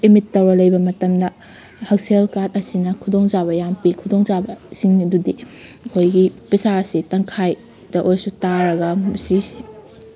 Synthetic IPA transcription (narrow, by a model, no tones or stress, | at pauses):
imitːɐwɾɐlɐjbɐmɐtɐmdɐ | hɐk̚selkat̚ɐsinɐkʰudoŋzaβɐjampikʰudoŋzabɐsiŋɐdudiɐkʰojɡipisasitɐŋkʰaj | d̥ɐʔojsutaɾɐɡɐsi